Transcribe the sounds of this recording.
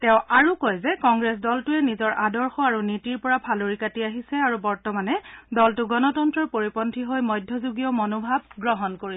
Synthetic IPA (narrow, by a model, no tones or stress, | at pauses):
tɛʊ̃aɹukɔjzɛkɔŋɡɹɛsdɔltʊɛnizɔɹʔadɔɹxɔaɹunitiɹpɔɹapʰaloɹikatiaɦisɛaɹubɔɹtɔmanɛdɔltʊɡɔnɔtɔntɹɔɹpoɹipɔntʰiɦojmɔjdʱjɔzuɡijɔmonobʱab̚ɡɹɔɦɔnkoɹiɛ